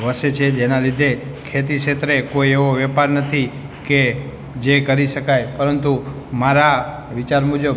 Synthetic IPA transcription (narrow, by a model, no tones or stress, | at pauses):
ʋəʃet͡ʃʰed͡ʒenalid̪ʱe | kʰet̪̬iʃet̪ɾekoieʋoʋɛpaɾnət̪ʰi | ke | d͡ʒekəɾiʃəkajpəɾənt̪u | maɾa | ʋit͡ʃaɾmũd͡ʒə